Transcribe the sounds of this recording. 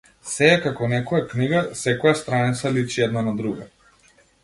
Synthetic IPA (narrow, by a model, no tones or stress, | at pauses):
sɛːkakɔnɛkɔjakniɡasɛkɔjast̪ɾanit̪salit͡ʃiɛd̪nanad̪ɾuɡa̰